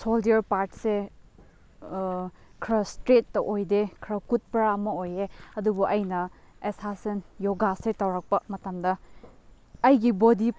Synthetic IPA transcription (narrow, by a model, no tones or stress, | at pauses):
soldeɾpaɾtse | kʰɾɐstɾetːɐʔojdekʰɾɐkut̚pɐɾaɐmɐojeɐdubuʔɐjnɐ | esasɐnjoɡasetɐwɾɐk̚pɐmɐtɐmdɐː | jɡibodi